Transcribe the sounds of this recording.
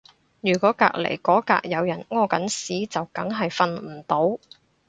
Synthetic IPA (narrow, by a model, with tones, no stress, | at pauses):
jyː˨˩kɔː˨˥ka̰ː˧k̚lḛ˨˩jkɔː˨˥ka̰ː˧k̚jɐ˨˧wjɐ˨˩nŋɔː˧kɐ˨˥nsiː˨˥t͡sɐ˨wkɐ˨˥ŋɦɐ˨jfɐ˧nm̩˨˩t̪o˨˥w